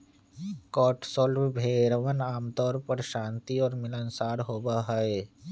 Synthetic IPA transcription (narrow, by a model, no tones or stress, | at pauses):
kɔːʈsɔːlbbʱeːɾəʋənaːmt̪ɔːɾpəɾʃãːnt̪iɔːɾmɪlənsaːɾɦoːbaɦae